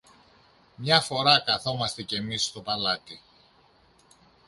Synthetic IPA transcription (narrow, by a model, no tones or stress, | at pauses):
mɲɐfo̞ɾɐkɐθo̞mɐst̪e̞ce̞mist̪o̞pɐlɐt̪i